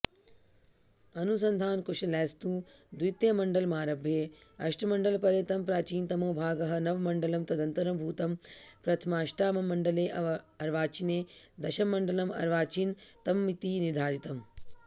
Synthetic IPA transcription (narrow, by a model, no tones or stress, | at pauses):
ɐnus̬ɐnd̪ʱaːnkuʃɐlɛːst̪uːd̪ujt̪jɐmɐɳɖɐlmaːɾɐbʱjeːɐʃʈʰɐmɐɳɖɐlpɐɾjɐt̪ɐmpɾaːt͡ʃiːnt̪ɐmoːbʱaːɡɐɦɐ̆nɐʋmɐɳɖɐlɐmt̪ɐd̪ɐnt̪ɐɾɐmbʱuːt̪ɐmpɾɐt̪ʰɐmaːʃʈaːmɐmːɐɳɖɐleːʔɐ | ɐɾʋaːt͡ʃineːd̪ɐʃɐmːɐɳɖɐlɐmɐ̰ɾʋaːt͡ʃiːnt̪ɐmːit̪iːniɾd̪ʱaːɾit̪ɐm